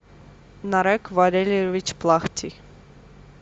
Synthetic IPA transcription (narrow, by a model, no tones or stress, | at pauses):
nɑɾɛkʰvɑɾɛlɛvit͡ʃʰplˠɑχt̪ʰi